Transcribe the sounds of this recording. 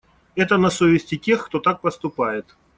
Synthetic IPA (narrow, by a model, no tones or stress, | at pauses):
ɛt̪ənɐsovʲɪsʲtʲɪtʲe̞xkt̪ot̪ak̚pəst̪ʊpajɪt̪